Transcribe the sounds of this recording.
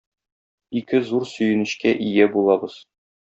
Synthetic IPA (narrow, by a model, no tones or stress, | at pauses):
ikɘzuɾsɵ̆jɘ̆nɘ̆ɕkæʔijæbulˠɑbɤz̥